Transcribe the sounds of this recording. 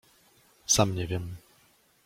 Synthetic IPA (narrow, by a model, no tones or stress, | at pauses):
samɲɛvʲjɛm